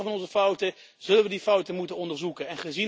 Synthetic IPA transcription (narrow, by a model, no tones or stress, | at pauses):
əvɑnɔnzəfʌwtə | z̥ɵləʋədifʌwtəmutənɔndəɹzukənɛnχəzi